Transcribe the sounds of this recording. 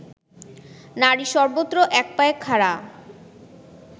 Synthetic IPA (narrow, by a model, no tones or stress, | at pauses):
naɾiʃɔɾbot̪ːɾoʔɛk̚paekʰaɾa